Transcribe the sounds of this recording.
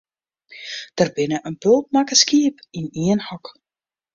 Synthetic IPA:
d̥ərbɪnəʔənpɵlˠt̚makəskiːpiniənhɔk

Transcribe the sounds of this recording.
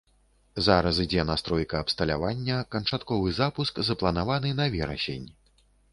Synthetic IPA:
zaɾɐsid͡zʲɛnast̪ɾɔjkɐːpst̪ɐlʲa̰vanʲːɐkɐnt͡ʂat̪kɔvɨzapuskzɐplˠɐnavanɨnɐvʲɛɾɐ̰sʲḛnʲ

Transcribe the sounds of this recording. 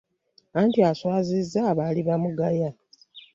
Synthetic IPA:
aːntiaswaːzizːaːβaːliβamuɡaja

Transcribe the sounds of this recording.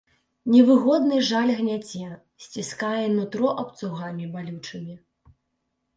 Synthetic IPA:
nʲɛvɨɣɔd̪nɨʐalʲɣnʲad͡zʲɛ | sʲt͡sʲiskajɛnut̪ɾɔʔɐp̚t̪suɣamʲibalʲut͡ʂɨmʲi

